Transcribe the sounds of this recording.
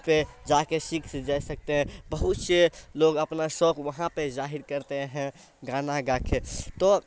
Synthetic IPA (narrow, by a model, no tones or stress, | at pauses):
ped͡ʒakesikʰsd͡ʒajsək̚t̪eɦɛ̃bəɦut̪seloɡəpnasɔkʋəɦãped͡ʒaɦiɾkəɾt̪eɦɛ̃ | ɡãnaɡakʰet̪ɔ